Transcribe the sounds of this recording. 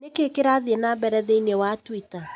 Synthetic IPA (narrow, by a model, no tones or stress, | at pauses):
nekekeɾaðenabɛɾɛðeinewatwita